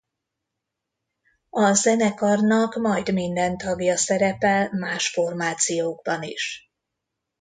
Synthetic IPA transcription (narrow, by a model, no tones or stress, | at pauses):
ɒzɛnɛkɒrnɒkmɒjd̪mind̪ɛnt̪ɒɡjɒsɛɾɛpɛlmaːʃfo̞rmaːt̪sijoːɡ̚bɒnḭʃ